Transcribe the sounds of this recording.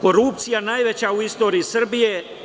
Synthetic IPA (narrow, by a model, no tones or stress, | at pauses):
koɾuːp̚t̪sijanaːjʋet͡ɕauist̪oːɾiːsəɾbije